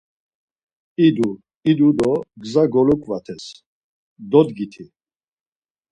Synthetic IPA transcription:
id̪u | id̪ud̪ɔɡzaɡɔlukʼvat̪ʰɛs | d̪ɔd̪ɡit̪ʰi

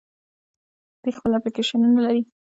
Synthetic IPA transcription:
d̪̥əxpəlaplikeʃanunalaɾi

